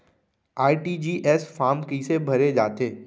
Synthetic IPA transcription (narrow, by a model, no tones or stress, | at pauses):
aːiʈid͡ʒiːʔɛːsfaːɾmkisebʱɐɾed͡ʒaːt̪eː